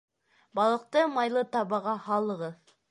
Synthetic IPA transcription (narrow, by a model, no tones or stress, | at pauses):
bɑlˠəq̚t̪əmɑjlˠət̪ɑbɑʁɑhɑlˠəʁə